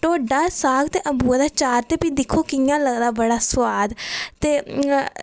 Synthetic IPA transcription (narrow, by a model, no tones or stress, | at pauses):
ʈoːɖaːsaːɡt̪eːʔəbuːad̪aːt͡ʃaːɾt̪eːpid̪ɪkʰːoːkɪjãːləɡd̪aːbəɽaːswaːd̪t̪eː